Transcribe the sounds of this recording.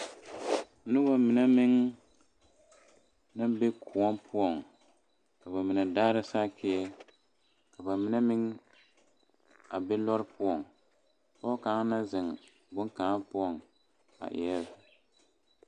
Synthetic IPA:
nɪ˦ba˨mɪ˨nɛ˦mɪ˦ŋ | na˦be˦kʰʊ˨ɔ˦npʰʊ˦ɔ˨ŋ | ka˨βa˨mɪ˨nɛ˨daː˦ɾa˦saː˦kʰɪ˦ɛ˦ | ka˨ba˨mɪ˦nɛ˦mɪ˦ŋ | a̰˨bɛ˦lɔ˦ɾɪ˦pʊ˦ɔ˨ŋ | pɔ˦kaː˨˦ŋ˦na˦zɪ˨ŋ | bʊ˦ŋkaː˨˦pʊ˦ɔ˨ŋ | a̰˨ʔɛ̰˨ɛ˦l

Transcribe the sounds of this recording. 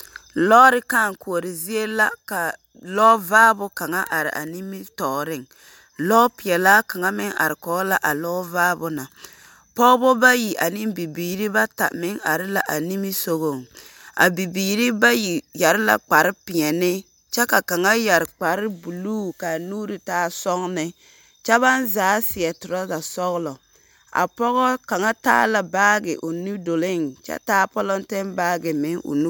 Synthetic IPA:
lɔː˦ɾɪ˦kaː˦˨ŋ˨ku˨o˨ɾɪ˨zi˦e˦la˦ka˨ | lɔː˦vaː˦bʊ˦ka˨ŋa˦ʔa˨ɾɪ̰˨ʔa̰˨ni˦mi˦tɔː˨ɾɪ˦ŋ | lɔː˦pɪ˨ɛ˨laː˦ka˨ŋa˦mɪ˦ŋa̰˨ɾɪ˨kɔː˨˦la˨ʔa˨lɔː˦vaː˦bʊ˦na˨ | pɔː˦bɔ˦ba˦ji˨ʔa˨nɪ˦nbi˨biː˨ɾi˦ba˦ta̰˨mɪ˦ŋa̰˨ɾɪ˦la˨ʔa˨ni˦mi˦so˨ɣo˨ŋ | a̰˨bi˨biː˨ɾi˦ba˦ji˨ja˨ɾɪ˦la̰˨k͡pa˨ɾɪ˦pɪ˨ɲɛ˨nɪ˦ | t͡ʃɛ˦ka˨ka˨ŋa˦ja˨ɾk͡pa˨ɾɪ˦bu˨luː˦ka˨nuː˦ɾi˨taː˦sɔ˦ŋnɪ˦ | t͡ʃɛ˦βa˦nzaː˨˦sɪ˨ɛ˨tʊ˨ɾɔ˦za˨sɔ˦ɣlɔ˨ | a̰˨pɔ˦ɣɔ˦ka˨ŋa˦ta̰ː˦la˨baː˦ɡɪ̰˨ʔʊ˨nu˦do˨lɪ˦ŋt͡ʃɛ̰˦taː˦pɔ˦lɔ˦n˦tɛ˦nbaː˦ɡɪ˨mɪ˨˦ŋʊ̰˨nu˦

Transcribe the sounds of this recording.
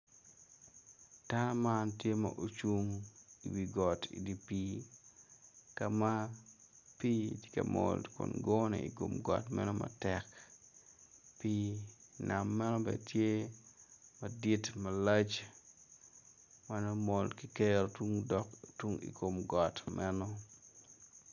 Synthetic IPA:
tamantje˦ma̰ʔot͡ʃu˦ŋi˨wiɡɔtḭdi˨pi˦ | kama˦ | pi˦tɪ̥ka˨mo̰ldkʊ̰˨nɡɔ˦nɛ̰i˨ko˨mɡɔ̰˨tmɛ̰˦nɔmɐ̰tɛk | pina˨mːɛ˦nɔ˦bɛ̰tje˦ | mɐdi˦tmɐla˦t͡ʃ | manɔ˦molki˦keɾotuŋdɔktwu˦ŋḭ˨ko˨mɡɔ˨tmɛnɔ˦

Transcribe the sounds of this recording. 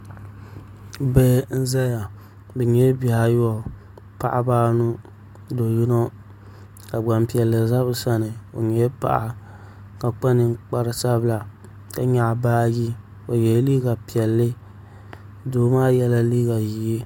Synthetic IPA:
bɛ˦n̩˦za˦ja˨ | bɛ˨ɲɛ˦bi˨ha˨jɔ˨ | pa̰˨ʔa˨baː˦nu˦ | do˨ji˦no˦ | ka˨ɡ͡ba˨mpi˨ɛ˨lːɨ˨za˦bɨ˦sa˦nɨ˨o˨ɲɛ˦pa̰˨ʔa˨ | ka˨k͡pa˦nɨ˨ŋ˦k͡pa˨ɾɨ˨sa˦bla˨ | ka˨ɲa˨ʔbaː˦ji˦ | o˨jɛ˨˦liː˦ɡa˨pi˨ɛ˨lːɨ˦ | do˨˦maː˦jɛ˦la˦liː˦ɡa˨ji˨i˦

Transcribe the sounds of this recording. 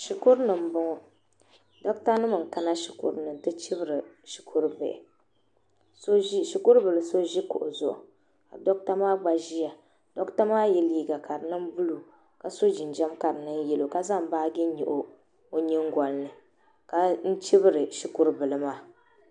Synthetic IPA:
ʃi˨kʊ˦ɾnɨ˨m̩˦bʊ˦ŋɔ˨ | dɔ˦kta˦nɨ˦mɨ˨ŋ̩˨ka˦na˦ʃi˨kʊ̰˦ɾnɨ˨n˨tɨ˦t͡ʃɪ˦bɨ˦ɾɨ˨ | ʃi̥˨kʰʊ˦ɾbɛ̰˨ʔɪ̰˨ | so˦ʒi˦ʃi˨kʊ˦ɾbɨ˨lɨ˨so˦ʒi˦kʊ̰˨ʔʊ̰˨zʊ̰˨ʔʊ̰˨ | ka̰˨dɔ˦k̚ta˦maː˦ɡ͡ba˨ʒi˦ja˨ | d̥ɔ˦kta˦maː˦jɛ˦liː˦ɡa˨ka˨ɾɨ˨nɨ˦m˦bu˦lu˨ | ka˨so˦d͡ʒi˨nd͡ʒɛ˦mka˨ɾɨ˨nɨ˦n˦jɛ˨lo˨ka˦za˦m˦baː˦ɡɛ˦ɲḭ˨ʔo˨ | o˦ɲɪ˦ŋɡɔ˨lnɨ˨ | ka˨n̩˦t͡ʃi˦bɨ˦ɾɨ˨ʃi˨kʊ˦ɾbɨ˨lɨ˨maː˦

